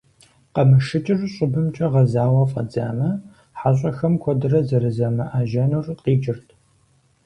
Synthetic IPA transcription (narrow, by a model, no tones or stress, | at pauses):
qɐmɨʃɨt͡ʃʼɪrɕʼʊbɨmt͡ʃʼɐʁɐzaːwɐfʼɐ̰d͡za̰ːmɐ | ħaɕʼɐxɐmkʷʰɔdɨrɐzɐɾɨzɐmɐʔaːʒɐnurqʼiːt͡ʃʼɪrtʰ